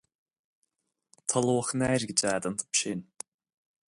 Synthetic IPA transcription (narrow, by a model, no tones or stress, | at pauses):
t̪ʰaloːxnɛɾɡəd͡ʒaːd̪ant̪ʰə̥pʃɪn